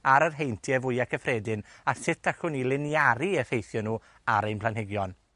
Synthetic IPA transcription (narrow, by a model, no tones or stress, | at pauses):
aɾərɦejntʰjɛvʊɨakʰəfrɛːdɪnasɪtʰaxʊnilˠɪnjaɾiəfejθjɔnuː | aɾejnpʰlˠanɦɪɡjɔn